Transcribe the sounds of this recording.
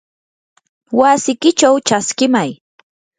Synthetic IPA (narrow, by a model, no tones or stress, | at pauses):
wasɪkɪt͡ʃawt͡ʃaskɪmaj